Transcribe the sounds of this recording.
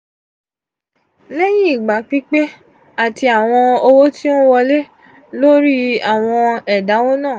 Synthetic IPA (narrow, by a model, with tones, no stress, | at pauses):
le˦ji˦i˦˨ɡ͡ba˨k͡pi˦k͡pe˦ | a˦˨ti˧a˨w̃ɔ̃˧o˧wo˦tĩ˦o˦wɔ˧le˦ | lo˦ɾi˦a˦˨w̃ɔ̃˧ɛ˨da˨˦wo˦nãː˦˨